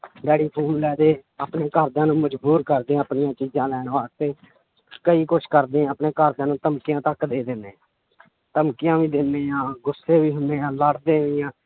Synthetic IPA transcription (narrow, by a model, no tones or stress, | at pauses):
ɖɛːɽiːpʰoːmlɛːd̪eːaːpneːkəɾd̪ãːnũːməd͡ʒbuːɾkəɾd̪ẽːəpnɪjãːt͡ʃiːzãːlɛːnʋaːst̪eː | kəiːkʊt͡ʃʰkəɾd̪eːãːəpnẽːkəɾd̪ãːnũːt̪əmkɪjãːt̪əkd̪eːd̪ɪnd̪eːãː | t̪əmkɪjãːʋiːd̪ɪnːeːjãːɡʊsːeːbiːɦʊnd̪eːãːləɽd̪eːʋɪːãː